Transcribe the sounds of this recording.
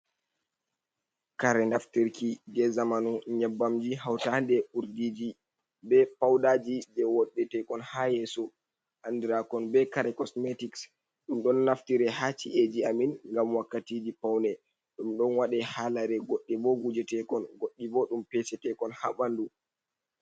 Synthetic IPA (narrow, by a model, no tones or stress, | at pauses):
kaɾɛnaftiɾkid͡ʒɛzamanuɲɛbːamd͡ʒiɦawtandɛuɾdid͡ʒi | bɛpawdaːd͡ʒid͡ʒɛwɔɗːɛtɛkɔnhajɛsɔ | ʔandiɾakɔnbɛkaɾɛkɔsmɛtiks | ɗumɗɔnːaftiɾɛhat͡ʃiʔed͡ʒiaminŋɡamwakːatid͡ʒipawnɛ | ɗumɗɔnwaɗɛhalaɾɛɡoɗːibɔɡud͡ʒɛtɛkɔnɡoɗːibɔɗumpɛsɛtɛkɔnhabandu